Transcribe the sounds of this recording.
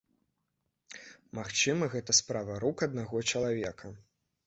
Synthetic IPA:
maxt͡ʂɨmɐɣɛt̪ɐspɾavɐɾukɐd̪̚naɣɔt͡ʃɐlˠavʲɛkʰɐ

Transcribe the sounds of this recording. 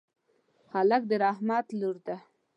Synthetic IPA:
halak̚d̪əɾɑhmat̪luɾd̪a

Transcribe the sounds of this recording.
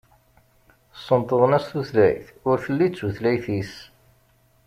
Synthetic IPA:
sːənt̪ˤəðˤənæsθuθlæ̰jθʊɾfəlːit͡sːuθlæjθis

